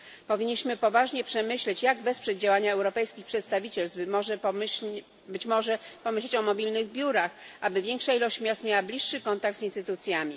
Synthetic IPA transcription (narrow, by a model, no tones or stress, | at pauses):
pɔvʲiɲːiɕmɘpɔvaʐɲɛpʂɛmɘɕlɛt͡ɕjaɡvɛspʂɛd̪d͡ʑawaɲaɛwɾɔpɛjskʲixpʂɛt̪st̪avʲit͡ɕɛlsbmɔʐɛ | bɘt͡ɕmɔʐɛpɔmɘɕlɛt͡ɕɔmɔbʲilnɘɣbʲjuɾaxʔabɘvʲjɛŋkʂailɔɕt͡ɕmʲjast̪mʲjawablʲiʂːɘkɔnt̪akɡ̪̚zinst̪ɘt̪ut̪sʲjamʲi